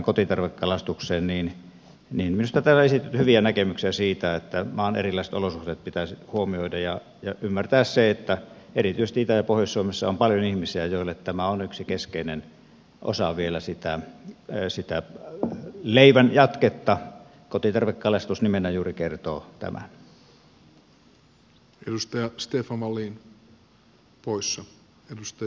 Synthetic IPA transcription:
ŋkot̪it̪ɑrʋekːɑlɑst̪uksˑeːnniːn | niːnminust̪ɑt̪æːlæesit̪yt̪hyʋiænækemyksiæsiːt̪æet̪ːæmɑːnḛrilːˑɑˑisĕ̥t̪olosuht̪eːt̪̚pit̪æshuomioidɑjjɑ | jɑʔymːært̪æˑːsseet̪ːæ | erit̪ysest̪iit̪æjɑpohjɑssuomesːɑompɑljonihmisiæjoˑilːet̪t̪æmæonyksikeskeˑinen | ʔo̰sɑʋielæsit̪æ | sit̪æ | leˑiʋænjɑt̪ket̪ːɑ | kot̪it̪ɑrʋekːɑlest̪usnimenːæjuːrikert̪oːt̪æ̰mʔæ̰n | edust̪ɑjɑst̪eːfɑʋɑlːiːn | poisːɑ | edust̪ɑ

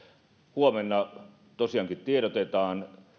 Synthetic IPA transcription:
huomenːɑ | t̪osiɑŋkit̪t̪ieɾot̪et̪ɑːn

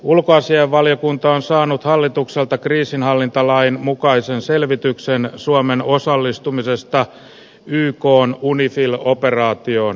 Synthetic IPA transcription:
ulkoɑsiɑʋːɑljokunt̪ɑonsɑːnut̪hɑlːit̪ukselt̪ɑkriːsinhɑlːint̪ɑlɑinmukɑisenselʋit̪yksensuomenosɑlːist̪umisest̪ɑ | yːkoːnunifiloperɑːt̪ioːn

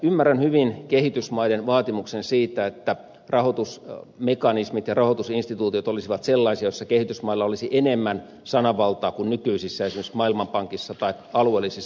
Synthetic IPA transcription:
ymːærænhyʋinkehit̪ysmɑidenʋɑːt̪imuksensiːt̪æet̪ːæ | rɑhot̪usmekɑnismit̪jɑrɑhot̪usinst̪it̪uːt̪iot̪olisiʋɑt̪selːɑisiɑjosːɑkehit̪ysmɑilːɑolisiʔenemːæn | sɑnɑʋɑlt̪ɑːkunnykyisisːæesimeksmɑilmɑmpɑŋkisːɑt̪ɑikɑluelːˑisisː

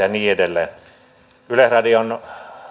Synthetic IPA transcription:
ɑniːedelːḛːn | ylehrɑdion

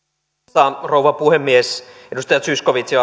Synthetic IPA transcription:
ɑrouʋɑpuhemːies | edust̪ɑjɑt̪syskoʋit̪siɑ

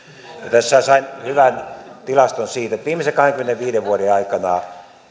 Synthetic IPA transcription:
jɑt̪æsːæsɑinhyʋænt̪ilɑst̪onsiːt̪et̪ʋiːmːˑesekɑheŋkymeneʋʋiːdeʋʋuoɾeɑikɑnɑː

